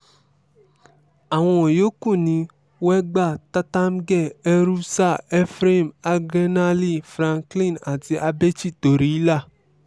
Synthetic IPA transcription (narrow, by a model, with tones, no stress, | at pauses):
a˨w̃ɔ̃˧˨jo˦kũ˦˨nĩ˨˦ | wɛ˦ɡ͡ba˦˨ta˦ta˦m˦ɡɛ˦˨ɛ˦ɾu˦sa˦˨ɛ˦fɾe˦˨ma˧ɡɾe˦na˦li˦˨fɾã˧ŋklĩ˦˨na˨ti˧ʔa˧be˦t͡ʃi˦˨to˨ɾi˨˦la˦˨